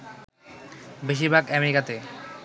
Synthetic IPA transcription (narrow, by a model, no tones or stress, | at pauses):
beʃ̬iɾbʱaɡɛmeɾikat̪e